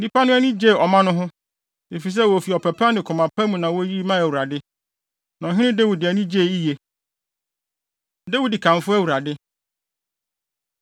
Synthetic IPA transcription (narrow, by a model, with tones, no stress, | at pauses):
nĩ˦pa˦nʊ̃˦æ˦nĩ˦d͡ʑe˦˨ɔ˨mã˦nʊ̃˦ɦʊ̃˦ | e˨fi˨s̬ɛ˦˨wo˨fi˨ɔ˨pʰɛ˨pʰa˦nɪ̃˨kʰɔ˨mã˨pʰa˦mũ˨nã˨wo˦ji˦mã˦æ˨u˨ɾa˨dɪ˦ | nã˨ɦɪ̃˦ɪ̃˦de˦wu˨dɪ˨æ˨nĩ˦d͡ʑe˦˨i˦je˨ | dɛ˦wu˦di˨kʰã˨m˨fʊ˦æ˦wu˨ɾa˨dɪ˦